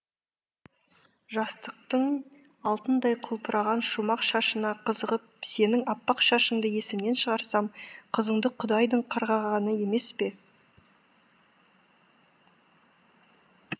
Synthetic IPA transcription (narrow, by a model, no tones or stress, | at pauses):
ʒɑst̪əq̚t̪əɴ | ɑlˠt̪ənd̪ɑjqʰʊlˠpəɾʔɑʁɑnʃumɑqʃɑʃənɑqʰəzəʁəp̚se̞nɪŋɑpːɑqʃɑʃəɴd̪əje̞sɪmne̞nʃəʁɑɾsɑmqʰəzəɴd̪əqʰʊd̪ɑjd̪əɴqʰɑɾʁɑʁɑnəje̞me̞spe̞